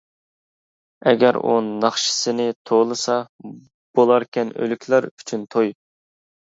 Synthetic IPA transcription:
ɛɡʲɛɾṵnnɑχʃɪ̥sɨnɪt̪ʰolˠɨsɑ | b̥olˠɑɾkʲʰɛnø̰lykʲʰlæɾy̥t͡ʃʰynt̪ʰoj

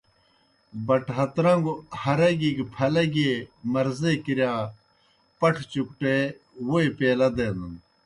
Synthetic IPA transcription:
bɐʈɦɐt̪ɾɐŋɡuhɐɾɐɡiɡpʰɐlɐɡemɐɾzekiɾjaː | pɐʈʰt͡ɕuk̚ʈe | woepeːlɐd̪eːnɐn

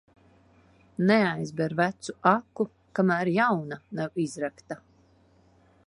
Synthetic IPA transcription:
neajzbɛɾvæt̪suakːu | kamæːɾjawnanawizɾakt̪a

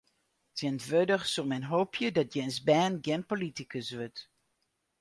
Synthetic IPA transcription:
tʰjɛntʋødəχsumɛnɦoːpʰjədɔt̚jɛnsbɛːnɡɛnpolitikəsʋøt

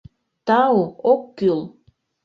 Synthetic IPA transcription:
t̪ɑuokːyl

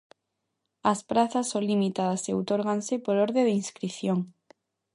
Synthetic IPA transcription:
ɐspɾaθɐsːolimit̪aðɐseowt̪oɾɣansɪpoɾoɾðeðinskɾiθjoŋ

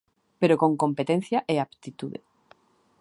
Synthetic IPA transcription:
peɾokõ̞ŋkompet̪en̟θjaʔeapt̪it̪uðe

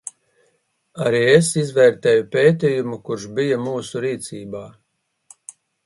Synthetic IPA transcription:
aɾiːesizvɛːɾt̪ɛːjupʲeːt̪ʲiːjumukuɾʃbijamuːsuɾiːt̪siːbaː

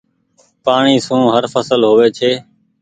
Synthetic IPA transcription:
paːɳiːsũːɦəɾfəsəlɦoʋeːt͡ʃʰeː

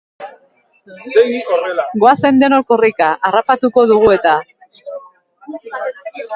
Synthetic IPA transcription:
ɡoase̞nd̪e̞nokorikaʔaːrapat̪uko̞ðuɣ̞ue̞t̪a

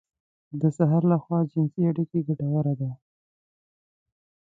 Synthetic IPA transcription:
d̪əsaɦɑɾlaxwɑd͡ʒɪnsiaɽikeɡaʈawaɾad̪a

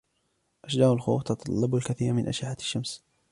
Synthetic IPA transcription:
ʔaʃd͡ʒaːʕalxṵːft̪ɑt̪ˤɑlːɑbalkaθiːɾmɪnʔa̰ʃaħḁʃːams

